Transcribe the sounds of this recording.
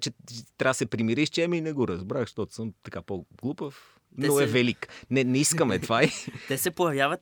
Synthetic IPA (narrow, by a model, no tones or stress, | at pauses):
t͡ʃɛt̪ɾʲasɛpɾimiɾiʃt͡ʃɛminɛɡoɾɐzbɾaxʃt̪ɔt̪ʊ̥səmt̪ɐkapoɡlˠupəf | noɛvɛliknɛnɛiskəmɛt̪vait̪ɛsɛpojɐvjavɐt̪